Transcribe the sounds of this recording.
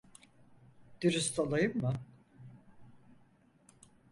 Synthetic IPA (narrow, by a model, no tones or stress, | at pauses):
d̪̥iɾɯst̪ʰalˠajɯmːɯ